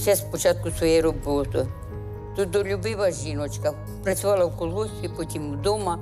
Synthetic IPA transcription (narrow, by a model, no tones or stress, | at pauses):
sɛspot͡ʃat̪̚kusojeɾoboːt̪o | t̪ut̪̚d̪olʲubiʋɐʒinot͡ʃkɐ | pɾɐt̪sʲuʋalˠɐukolˠust̪ipot̪ʲimud̪oma